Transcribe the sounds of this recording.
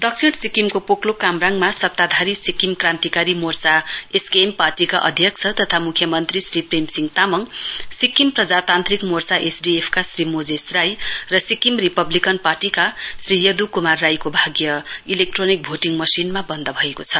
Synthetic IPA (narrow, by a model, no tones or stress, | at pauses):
d̪ʌksʰiɽsikimkopoklokamraŋmasʌt̪ːad̪ʱaɾisikimkrant̪ikaɾimort͡saeskeemparʈikaʔʌ̰d̪ʱjʌk̚t͡sʰʌt̪ʌt̪ʰamukʰjʌmʌnt̪risripremsiŋt̪amʌŋsikimprʌd͡zat̪ant̪rikmort͡saʔesɖiepʰkasrimod͡zesrajrʌsikimripʌblikʌnparʈikasrijʌd̪ukumarːajkobʱaɡjʌilek̚ʈronik̚bʱoʈiŋmʌsinmabʌnd̪ʌbʱʌekot͡sʰʌ